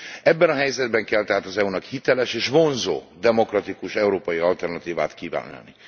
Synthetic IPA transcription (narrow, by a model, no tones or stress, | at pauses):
ɛbːɛnɒɦɛjzɛd̪bɛŋkɛlt̪ɛɦaːt̪ɒzɛunɒkhit̪ɛlɛʃeːʃvo̞nzo̰ːd̪ɛmo̞krɒt̪ikuʃɛuɾoːpɒjiɒlt̪ɛrnɒt̪iːva̰ːt̪kiːva̰ːna̰ni